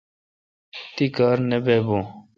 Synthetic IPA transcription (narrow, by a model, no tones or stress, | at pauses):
t̪ikaːɾnebeːbõ